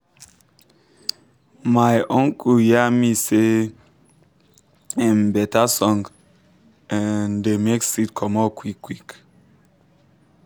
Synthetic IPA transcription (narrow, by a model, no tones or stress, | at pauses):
majʔɔ̃ŋkʰujɛmise | ãmbɛtʰasɔ̃ŋɡ | ɛ̃ndemeksit̚kʰɔmɔkʰwikʰːwik